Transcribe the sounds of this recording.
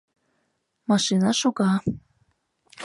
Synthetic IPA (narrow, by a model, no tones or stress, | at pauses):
mɑʃinɑʃuɣɑ